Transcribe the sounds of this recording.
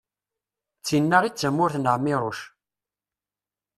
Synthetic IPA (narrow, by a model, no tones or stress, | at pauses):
t͡sːinːəʁit͡sːəmːʊɾθnəʁmːiɾˤoʃ